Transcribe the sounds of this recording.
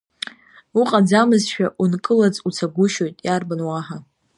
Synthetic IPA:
uqʼad͡zamɨzʃᶣaʔunkʼɨlat͡sʼut͡sʰaɡʷʊʃo̞jtʼjarbanwaħa

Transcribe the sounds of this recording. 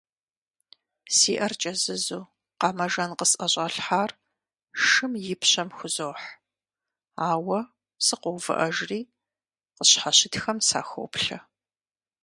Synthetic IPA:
siːʔɐrt͡ʃʼɐzɨzuː | qɑmɐʒɐnqəsʼʔɐɕʼɐɬħaːr | ʂɨmjɪpʰɕɐmxʷʊzoːħ | aːwɐ | sɨqʷowvɨ̰ʔɐʒriː | qəɕħaɕɪtxɐmsa̰ːxo̰wpʰɬɐ

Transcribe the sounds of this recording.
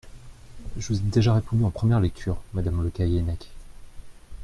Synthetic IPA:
ʒəvuzɛd̪eʒaʁepɔ̃d̪yɑ̃pχəmjɛʁlɛk̚t̪ʰyːʁmad̪amləkajenɛk

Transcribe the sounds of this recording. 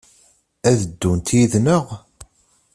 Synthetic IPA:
æðəd̪ːunt̪jiðnəʁ

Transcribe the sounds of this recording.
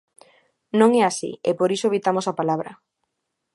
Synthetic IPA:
nõŋɛasḭepoɾisoeβit̪amosapalaβɾɐ̰

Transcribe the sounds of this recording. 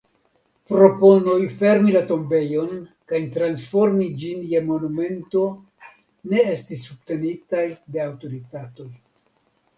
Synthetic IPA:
pɾo̞po̞no̞jfe̞ɾmilato̞mbe̞jo̞nkajtɾansfo̞ɾmid͡ʒinje̞mo̞nume̞nto̞ | ne̞e̞stisːub̚te̞nitajde̞awto̞ɾitato̞j

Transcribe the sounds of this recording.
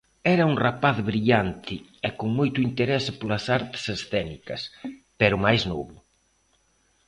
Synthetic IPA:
ɛɾɐuŋrapaθβɾiʎant̪ɪ | ɛkʊŋmojt̪ʊint̪eɾɛsɪpolɐsaɾt̪ɪ̥sesθɛnikɐspɛɾʊmajzno̰βʊ

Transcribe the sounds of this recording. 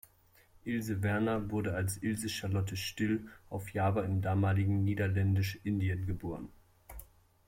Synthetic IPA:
ʔɪlzəvɛɐnɐvʊɐdəalsʔɪlzəʃalɔtʰəʃtɪlʔaʊfjaːbɐɪmdaːmaːlɪɡŋ̩niːdɐlɛndɪʃʔɪndiənɡəboːʁən

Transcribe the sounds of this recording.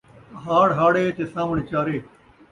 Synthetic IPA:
ɦaːɽɦaːɽeːt͡ʃeːsaːmɳiːt͡ʃaːɾeː

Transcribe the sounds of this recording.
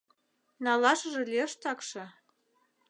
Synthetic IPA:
nɑlɑʃəʒĕleəʃt̪ɑkʃɤ̆

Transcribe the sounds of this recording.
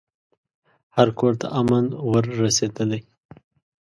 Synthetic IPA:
haɾkoɾt̪aʔamanwəɾːased̪əlaj

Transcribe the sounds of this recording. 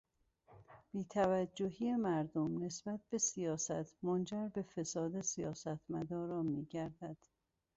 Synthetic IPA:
b̥iːt̪ʰævæd͡ʒːoɦiːemæɾd̪omne̞sb̥æt̪̚b̥e̞sijɒːsæ̰t̪ʰmond͡ʒæɾbe̞fe̞sɒːd̪e̞sijɒːsæt̪ʰmæd̪ɒːɾɒːmiːɟæɾd̪æd̪̥

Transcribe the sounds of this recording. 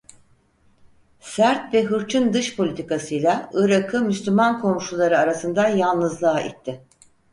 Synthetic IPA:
sæɾt̪vɛɦɯɾt͡ʃʰɯnd̪ɯʃpʰo̞lʲit̪ʰikasɯjlˠaɯɾakʰɯmyslʲymankʰo̞mʃulˠaɾɯaɾasɯnd̪ajalˠnɯzlˠaːʔḭt̪ʰːɪ

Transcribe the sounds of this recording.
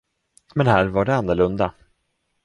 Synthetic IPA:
mɛnhæːɾvaɖɛanːəɭɵnd̪a

